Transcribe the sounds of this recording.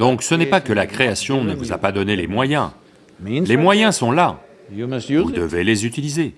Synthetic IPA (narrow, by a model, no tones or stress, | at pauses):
d̪ɔ̃ksənɛpakəlakχeasjɔ̃nəvuza̰pad̪ɔnelemwajɛ̃ | lemwajɛ̃sɔ̃la | vud̪əvelezyt̪ilize